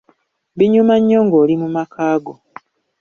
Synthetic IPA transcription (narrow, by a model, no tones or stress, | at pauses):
βiɲumaɲːoŋɡoːlimumakʰaːɡo